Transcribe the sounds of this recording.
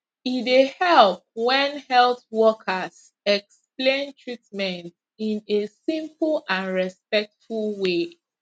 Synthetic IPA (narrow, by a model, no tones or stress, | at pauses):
idehɛlp̚wɛ̃nhɛlˠθwɔkʰəz | ɛksplẽntʰɹitmɛ̃nt | ĩnesĩmpl̩ˠãnɹɛspɛk̚tfulˠwe